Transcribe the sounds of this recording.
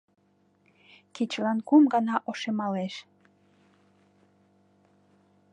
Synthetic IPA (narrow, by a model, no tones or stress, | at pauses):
kit͡ɕlɑnkumɡɑnɑʔoʃemɑleʃ